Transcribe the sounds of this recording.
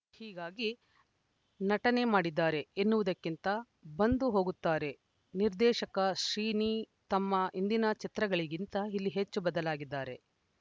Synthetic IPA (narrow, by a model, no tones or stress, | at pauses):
hiːɡaːɡi | nɐʈɐne̞maːɽid̪ːaːɾe̞enːuʋɐd̪ɐkːint̪ɐ | bɐnd̪uɦo̞ːɡut̪ːaːɾe̞ | niɾd̪ɛːʃɐkɐʃɾiːniː | t̪ɐmːɐind̪inɐt͡ʃit̪ɾɐɡɐɭiɡint̪ɐilːiɦe̞t͡ʃːubɐd̪ɐlaːɡid̪ːaːɾe̞